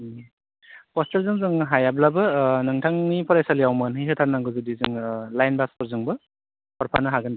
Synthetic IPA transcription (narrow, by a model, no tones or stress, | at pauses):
pɔstɯɾzɯŋzɯŋɦajablabɯnɯŋtʰaŋnipʰɔɾajsalijawmɯnɦijɦɯtʰaɾnaŋɡɯzɯdizɯŋlajnbaspɔɾzɯŋbɯ | pɔɾpʰa̰nɯɦaɡɯnd